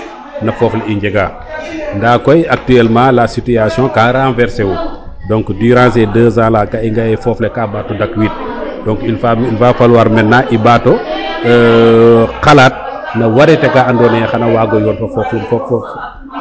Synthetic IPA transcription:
nɐfɔːfliiɲd͡ʒɛɡaː | ndaːkɔjak̚tyɛlmãːlasityasjɔ̃ːkãɾaːnvɛɾsewu | dɔ̃ŋkdyːɾãːsɛdəːzãːlaːkaiŋɡɐjɐjfɔflɛkaːbaːtːɔdɐkwiːt̚ | dɔ̃ŋkilfailfaːfalwaːɾmɛnːaʔibatɔ | xɐlat̚ | nɐwɐɾɛtɛkaɐndɔːnɛxɐnɐwaːɡɔjɔːnfɐfɔːflifɔfɔf

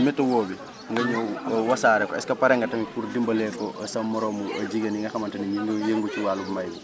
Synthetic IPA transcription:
mɛtːɐwɔːbi | ŋɡɐɲɔwɐsaːɾɛkɔɛskɐpɐɾɛŋɡɐtɐmipuɾdimbɐlɛkɔʔɐsɐmːɔɾɔmuɐɟiɡɐniŋɡɐxɐmɐntɐniɲŋɡjeŋɡut͡ʃiwaːlubmajɛ

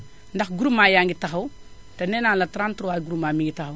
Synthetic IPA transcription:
ndɐxɡuɾumaːjaŋɡitaɦɐw | tɐnenanlatɾantɾowaːɡuɾumamiŋɡitaxɐw

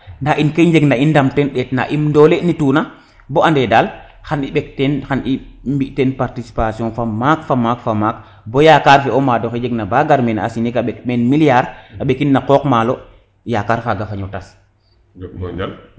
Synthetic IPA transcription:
ndaʔinkeɲd͡ʒeɡnaindamtɛnɗɛtna̰ʔimndɔlenituna | bɔandɛdal | xaniɓɛktɛnxanimbiʔtɛnpaɾtisi̥pasiɔ̃nfamakfamakfamak | bɔjakaɾfɛɔmadɔxɛd͡ʒɛɡnabaɡaɾmɛna̰sinikaɓɛkmɛnmilijaɾaɓekinːakɔkmalɔ | jakaɾfaɡafaɲɔtas

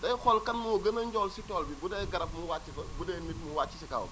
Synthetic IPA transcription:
dɐjxɔlkɐnmuuɡɐnɐɲɟɔːlsitɔːlbiɡudɛɡɐɾɐp̚muwat͡ʃːikɐɡudɛnit̚muwaːt͡ʃːisika̰ːw

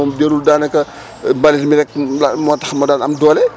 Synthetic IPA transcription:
ɔmdeɾuldaːnɐkɐ | mbalismiɾɛk̚lamɔːtːɐxɐmɐdaːnɐmdɔːlɛ

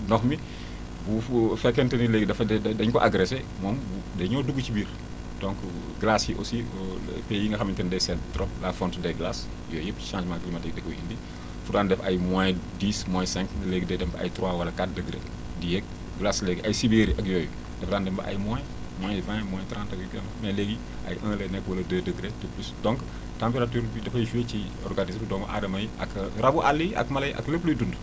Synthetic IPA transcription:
nɔxmi | bufɛkːɛntɐnileːɡdɐfɐdɛdɐɲkɔʔaɡɾɛse | mɔmbu | dɛɲɔːduɡːucibiːɾ | d̥ɔ̃ŋk | ɡlasjiʔo̰siɔpɛjiŋɡɐxɐmːintɛndɛsɛtɾɔlafɔntdɛɡlas | jɔːjəpːci̥ʃãːd͡ʒmanɡlimɐdɛɡ̚dɛkːɔhindi | fuɾaːndɛfɐjmɔjdiːsmɔjsɛ̃ŋknɐleɡidɛdɛmbɐɐ̰jtɾwaːwɐlɐkat̚dəɡɾe | dijɛk̚ | ɡlaslɛɡiʔɐjsibeɾiʔɐkjɔːjəp | dɛfdaːndɛmbɐʔa̰jmɔj | mɔːjvɛ̃mɔ̃jtɾãːntɐkjkɐnmɐleɡi | ʔɐ̰jʔə̃ːlɛnɛkːwɐlɐdədəɡɾetəplusdɔ̃ŋk | tãmpeɾatuːɾbidɛfɐjiʃuwet͡ʃi | ɔ̰rɡanismdɔːmɐʔa̰dɐmɐjɐ̰kɾɐbuʔalːiʔɐ̰kmɐlɐjʔɐ̰kləpluːjdund

